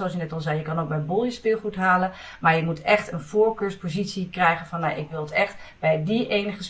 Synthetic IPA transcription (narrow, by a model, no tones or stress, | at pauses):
oɑsjnɛtɔlˠzɛjjəkɑnowk̚bɛjəbolˠjəspɪːlˠχutɦaːlən | maːɹjəmutɛχtənvʊːɹkøːɹspozitsikrɛjχənvɑnːaʔɪkʋɪlˠətɛχtb̥ɛjdiʔejnəχəs